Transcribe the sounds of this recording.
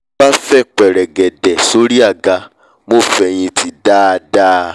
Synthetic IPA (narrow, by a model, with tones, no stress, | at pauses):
ba˦fɛ˦˨k͡pɛ˨ɾɛ˨ɡɛ˨dɛ˨so˦ɾi˦a˦˨ɡa˧ | mo˦˨fɛ˧j̃ĩ˧ti˧da˦˧da˦